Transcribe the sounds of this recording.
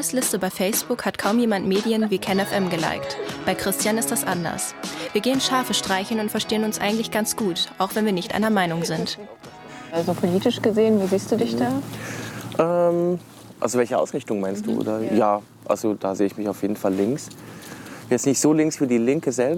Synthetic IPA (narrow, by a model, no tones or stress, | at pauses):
əslɪstəbaɪfɛɪsb̥ʊkhatkʰaʊmjeːmantmeːdiənviːkʰɛnɛfʔɛmɡəla̰ɪktb̥aɪkʁ̥ɪstjanɪst̚d̥asʔandɐ̰ɐsviːɐɡeːənʃaɐfəʃtʁ̥aɪçn̩ʊntfɛɐʃteːənʊnsʔa̰ɪɡŋ̩tlɪçɡ̥ant͡sɡ̥uːtʔaʊxv̥ɛnviːɐnɪçtʔa̰ɪnɐmaɪnʊŋzɪnt | ʔalzopʰoliːtɪʃɡ̥əzeːənviːziːst̚d̥uːdɪçd̥aː | ʔɛːm | ʔa̰lzovɛlçəʔa̰ʊsʁɪçtʊŋmaɪnst̚d̥ṵːʔo̰ːdajaː | ʔa̰lzod̥aːzeːəɪçmɪçaʊfjeːdn̩falːɪŋks | jɛsnɪçtz̥oːlɪŋsfyːɐdiːlɪŋkəzɛl